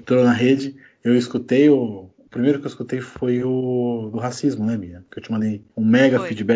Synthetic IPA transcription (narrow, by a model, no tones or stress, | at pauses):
t̪oɾɐnɐɦed͡ʒɪ | ewiskut̪ejʊʊpɾimejɾʊkewiskut̪ejfojʊd̪ʊɦasizmʊnɛmĩɲɐkewt͡ʃimɐ̃nd̪ejũmɛɡɐfid͡ʒibɛ